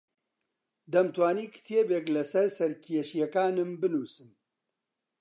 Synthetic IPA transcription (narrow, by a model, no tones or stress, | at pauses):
d̪ɐmt̪waːniːkʰt̪ʰjeːbeːklɐsɐɾsɐɾkʰijeʃijɛkaːnɨmbɨnuːsɨm